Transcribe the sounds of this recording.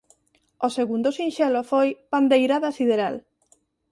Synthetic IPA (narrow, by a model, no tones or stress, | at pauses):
oseɣund̪ʊsinʃɛlofojpand̪ejɾaðasiðeɾa̰l